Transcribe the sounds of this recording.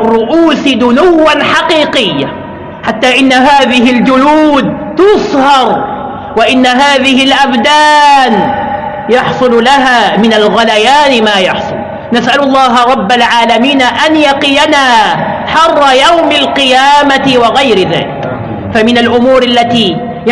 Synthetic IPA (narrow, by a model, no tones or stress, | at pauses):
rˤːʊʔuːsɪd̪ʊnʊwːanħɑqiːqɪjːa̰ | ħat̪ːaːʔɪnːaɦaːðɪɦɪld͡ʒʊluːd̪̚ | t̪ʊsˤhɑɾˤ | waʔɪnːaɦaːðɪhɪlʔabd̪aːn | jɑħsˤʊllaɦaːmɪnalɣalajaːnɪmaːjɑħsˤʊ̰l | nasʔalʊlˤːɑːɦɑɾˤɑbːalʕaːlamiːnaʔanjɑqɪjanaː | ħɑrˤːɑjawmalqɪjaːmat̪ɪwɑɣajɾɪða̰ːlɪk | famɪnalʔʊmuːɾʔalːat̪iː